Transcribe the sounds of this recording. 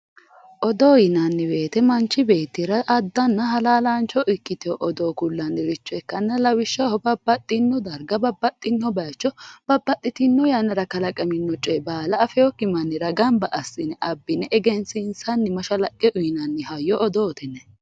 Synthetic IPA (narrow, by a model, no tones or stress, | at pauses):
ʔɔd̪ɔːjɪnɐnːɪwe̞ːt̪ɛmɐnt͡ʃːɪbe̞ːt̪ːɪɾɐʔɐd̪ːɐnːɐɦɐlaːlaːnt͡ʃɔʔɪkːɪt̪ɪjɔʔɔd̪oːkʊlːɐnɪɾɪt͡ʃːɔɛkːɐnːɐlɐwɪʃːɐhɔbɐbːɐt̪ʼːɪnːɔd̪ɐɾɡɐbɐbːɐt̪ʼːɪnːɔbɐjt͡ʃːɔb̥ɐbːɐt̪ʼːɪt̪ɪnːɔjɐnɐɾɐkɐlɐkʼɐmɪnːɔt͡ʃʼːɛbaːlɐːfɛjɔkːɪmɐnːɪɾɐɡɐmbɐʔɐsːɪnɛʔɐbːɪnɛʔɛɡɛnsɪnsɐnːɪmɐʃɐlɐkʼːɛʔʊjɪnɐnːɛhɐjːɔʔɔd̪oːt̪ɛnːɛ